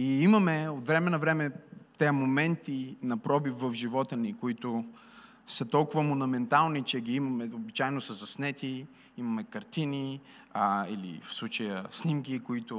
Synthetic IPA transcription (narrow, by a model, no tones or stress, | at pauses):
iimɐmɛot̪vɾɛmɛnɐvɾɛmɛt̪ɛəmomɛnt̪inɐpɾɔbifvɐvʒivɔt̪ənikoit̪ʊ | sət̪ɔlˠkʊvəmonɐmɛnt̪alˠnit͡ʃɛɡʲiimɐmɛobit͡ʃaɛnosəzɐsnɛt̪i | imɐmɛkɐɾt̪ini | ḭlḭfslˠut͡ʃəjəsnimkikoit̪ʊ